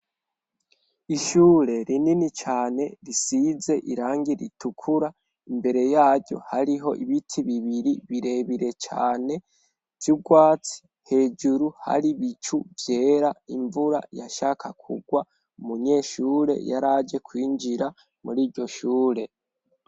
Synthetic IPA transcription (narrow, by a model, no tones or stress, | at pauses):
iʃuːɾe̞ɾininit͡ʃaːne̞ɾisize̞ʔiɾaːŋɡiɾḭtukʰuɾa | imbe̞ɾe̞jaːɾɟo̞̰haɾiɦo̞̰ʔiβitʰiβiβiɾiβiɾe̞βiɾe̞t͡ʃa̰ːne̞ | ɾjuɡwaːt͡si̥ | he̞d͡ʒuɾuha̰ɾiβit͡ʃuvje̞ːɾaiɱvuɾa̰ja̰ʃaːkʰakʰṵɡwa | umuɲe̞ːʃuːɾe̞̰jaɾad͡ʒe̞kwiːɲd͡ʒiɾa | muɾiːɾɟo̞ʃuːɾe̞